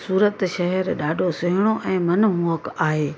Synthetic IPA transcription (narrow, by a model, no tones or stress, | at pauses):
suːɾət̪ʃɐɦɛɾɗaːɖʱosʊɦɪɽ̃oʔɛ̃ːmɐnmoəkaːɦeː